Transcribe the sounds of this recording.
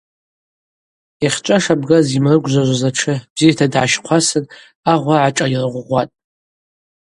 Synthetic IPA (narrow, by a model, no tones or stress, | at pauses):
iχʲt͡ʃʷʼaʂabɡazimrɨɡʷʒʷaʒʷazaʈ͡ʂʰɨb̥zijatʰadʕaʃqʷʰasɨn | aʁʷaʕaʈ͡ʂʼairʁʷʁʷatʼ